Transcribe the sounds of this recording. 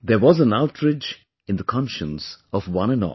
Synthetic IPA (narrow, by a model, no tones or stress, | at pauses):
d̪ə˞wɔzə̃naʊʈʰɹɪd͡ʒ | ɪ̃ndəkʰɑ̃nʃə̃nsɔvwʌ̃nə̃nɔ̰